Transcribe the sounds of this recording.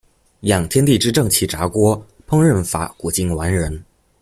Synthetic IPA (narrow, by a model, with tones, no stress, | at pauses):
jɑ˨˩ŋt̪ʰjɛ˥nt̪i˥˩ʈ͡ʂɻ̩˥ʈ͡ʂɤ˥˩ŋt͡ɕʰi˧˥˩ʈ͡ʂa˧˥kwɔ˥ | pʰɤ˥ŋɻə˥˩nfa̰˧˥ku˨˩t͡ɕi˥ŋwa˧˥nɻə˧˥n